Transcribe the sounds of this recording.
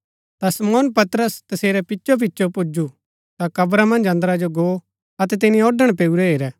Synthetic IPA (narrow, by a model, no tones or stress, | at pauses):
t̪asɐmɔːnpɐt̪ɾəst̪ɐseːɾɛpɪːʃop̬ɪːʃopʊd͡ʒu | t̪akɐbɾamɐ̃nd͡ʒɐ̃nd̪ɾad͡ʒoɡoː | ɐt̪ɛt̪̬ɪnĩɔɖəɽ̃peːuɾɛɦeːɾɛː